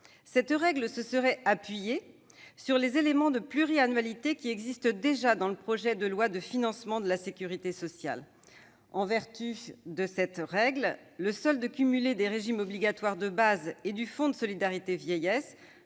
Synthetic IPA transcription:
sɛt̪ʁɛɡləsəsəʁɛapɥije | syʁlezelemɑ̃d̪əplyʁianɥalit̪ekʲiɛɡzist̪d̪eʒad̪ɑ̃ləpχɔʒɛd̪əlwad̪əfinɑ̃smɑ̃d̪əlasekʲyʁit̪esɔsja̰l | ɑ̃vɛʁt̪yd̪əsɛt̪ʁɛɡl | ləsɔld̪əkʲymyled̪eʁeʒimɔbliɡat̪waʁd̪əbazed̪yfɔ̃d̪əsɔlid̪aʁit̪evjɛjɛs

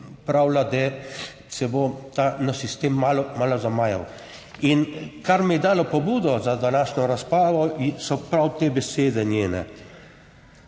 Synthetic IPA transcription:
pɾawlad̪ɛ | sɛbot̪anasist̪eːmːalɔmalɔzamaːja̰w | inkaɾmɛjɛd̪aːlɔpɔbuːd̪ɔzad̪anaːʃnɔɾaspɾaːʋɔsɔpɾawt̪eːbɛseːd̪ɛnjeːnɛ̰

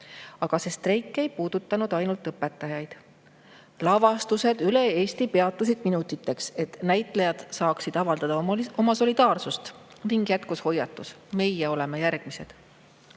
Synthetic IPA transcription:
ɑɡ̥ɑse̞st̪rejkːˑe̞jpuːd̪̥ut̪ˑːɑnud̪̥ɑjnult̪ˑːɤpːe̞t̪ːˑɑjɑjd̪̥ | lɑvɑst̪use̞d̪̥yle̞e̞ːst̪ipe̞ɑt̪ːˑɑsid̪̥minut̪ːˑit̪ːˑe̞kse̞t̪næjt̪ˑlejɑd̪̥sɑːksid̪̥ɑvɑld̪ɑd̪ɑo̞mɑso̞lid̪̥ɑːrsust̪ | niŋɡ̥jæt̪kusho̞jːɑt̪ːˑus | me̞jːeo̞le̞me̞jærɡ̥mise̞d̪̥

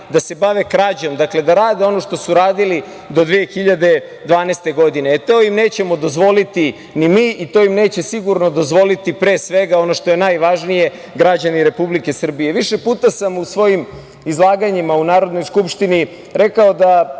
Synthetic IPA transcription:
d̪ase̞baʋe̞kɾaːd͡ʑo̞md̪akle̞d̪aɾaːd̪eo̞no̞ʃt̪o̞suɾaːd̪ili | d̪o̞d̪ʋijexiʎad̪e̞ | d̪ʋaːnest̪e̞ɡo̞d̪ine̞ːt̪o̞ːjimne̞ːt͡ɕe̞mo̞d̪o̞zʋo̞lit̪i | nimiʔit̪o̞jimne̞ːt͡ɕe̞siɡuɾno̞d̪o̞zʋo̞lit̪ipɾe̞ːsʋe̞ɡao̞no̞ʃt̪o̞jenajʋaʒnije̞ | ɡɾad͡ʑaniɾe̞publike̞sr̩bije̞ʋiʃe̞puːt̪asamusʋo̞jim | izlˠaːɡaɲimaunaːɾo̞d̪no̞jskupʃt̪ini | ɾe̞kao̞d̪a

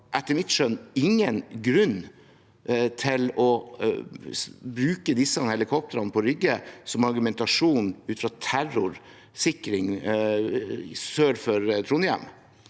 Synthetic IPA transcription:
ʔɛt̪ːəɾmɪt̪ʂœnɪŋːənɡɾʉn | t̪ʰɪlɔ | bɾʉːkəd̪ɪsːəɑnhɛlɪkʰɔp̚t̪əɾɑnpʰɔɾʏɡːəsɔmɑɾɡʉmɛnt̪ɑʂuːnʉːt̪fɾɑt̪ʰæɾʊɾ | sɪkɾɪŋ | søːɾfɔɾt̪ʰɾuːnəjæ̰m

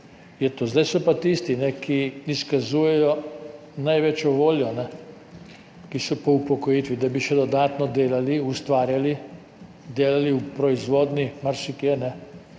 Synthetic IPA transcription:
jɛt̪ozd̪ajsɔpat̪ist̪inɛkʰiiskazuːjɛjɔ | najʋɛt͡ʃjɔʋoːljɔnɛ | kisɔpɔupɔkɔjit̪ʋid̪abiʃɛd̪ɔd̪aːt̪nɔd̪eːlaliust̪ʋaːɾjali | d̪eːlaliupɾɔizʋoːd̪nimaɾsikjɛnɛ

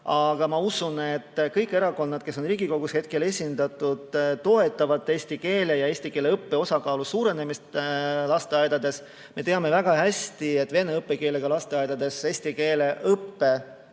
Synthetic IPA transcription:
ɑɡ̥ɑmɑusunet̪ːkɤjkːˑe̞ɾɑko̞nːɑd̪̥ke̞so̞nriːɡiko̞ɡ̥ushe̞t̪̚ke̞le̞sʲind̪̥ɑt̪ːˑud̪̥t̪ːo̞e̞t̪ːˑɑvɑt̪ːeːst̪ike̞ːlejɑe̞ːsʲt̪ike̞ːleɤpːe̞o̞sɑkɑːlusuːɾe̞ne̞mist̪lɑst̪e̞ɑjd̪̥ɑd̪̥e̞s | me̞t̪e̞ɑme̞væɡ̥ɑhæsʲt̪ie̞t̪ːˑve̞neɤpːe̞ke̞ːle̞ɡ̥ɑlɑst̪e̞ɑjd̪̥ɑd̪̥e̞se̞ːsʲt̪ike̞ːle̞ʔɤpːe̞

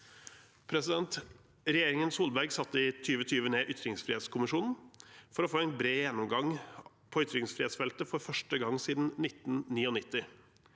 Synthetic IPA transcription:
pʰɾɛsɪd̪ɛnt̪ | ɾɛjeːɾɪŋənsuːlbæɾɡsɑt̪ːəɪt̪ʰyːʋət̪ʰyːʋəneːʔʏt̪ɾɪŋsfɾɪheːt̪skʰʊmɪʂuːnn̩fɔɾɔfoːɛɪnbɾeːjɛnːɔmɡɑŋ | pʰoːʏt̪ɾɪŋsfɾɪheːt̪sfɛlt̪əfɔɾfœʂʈəɡɑŋːsiːd̪n̩nɪt̪n̩niːɔnɪt̪ːɪ

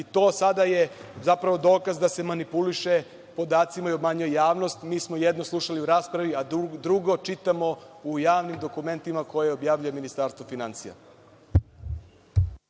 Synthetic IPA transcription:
it̪o̞ːsad̪aje̞zapɾaʋo̞d̪o̞ːkazd̪ase̞manipuliʃe̞ | po̞d̪aːt̪simaio̞bmaːɲojjaːʋno̞st̪miːsmojed̪no̞slˠuʃaliuɾaːspɾaʋiad̪ɾuɡo̞t͡ʃit̪amo̞ujaːʋnimd̪o̞kume̞nt̪imako̞jeobjaːʋʎujeminist̪aːɾst̪ʋofinant̪sija̰

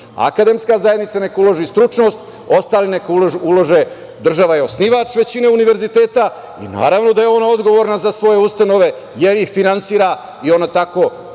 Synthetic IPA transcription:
a̰kad̪emskazajed̪nit̪sane̞kaulˠoʒist̪ɾut͡ʃno̞st̪ | o̞st̪aːlinekauloʒulo̞ʒe | d̪r̩ʒaʋajeo̞sniʋat͡ʃʋe̞t͡ɕineuniʋe̞ɾzit̪e̞ːt̪a | ḭna̰ːɾaʋno̞d̪ajeo̞nao̞d̪ɡo̞ʋoɾnazasʋo̞jeust̪ano̞ʋe̞ | jeɾixfinansiːɾa | io̞nat̪ako̞ː

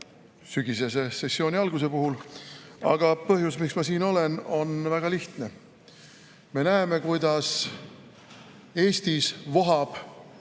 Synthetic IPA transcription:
syɡise̞se̞se̞sːio̞ːnʲiɑlɡ̥us̬e̞puɦul | ɑ̰ɡ̥ɑpɤɦjusmiksmɑsiːno̞le̞no̞nvæɡ̥ɑliht̪ne̞ | me̞næeme̞kujd̪̥ɑs | e̞ːst̪isvoɦɑb̥

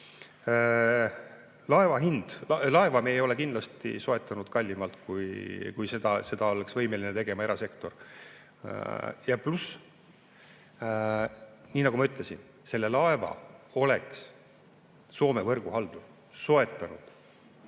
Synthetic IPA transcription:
lɑe̞vɑɦind̪̥lɑe̞vɑmeejo̞lekind̪lɑst̪ḭso̞e̞t̪ˑːɑnud̪̥kɑlʲːimɑlt̪ˑkujkujse̞d̪̥ɑse̞d̪ɑo̞leksvɤjme̞linet̪e̞ɡe̞mɑe̞ɾɑse̞kt̪o̞r | jɑplus | niːnɑɡ̥umɑyt̪ˑle̞sin | se̞lːe̞lɑe̞vɑ̰o̞le̞ks | so̞ːme̞vɤrɡ̥uɦɑld̪̥u | so̞e̞t̪ːˑɑnud̪̥

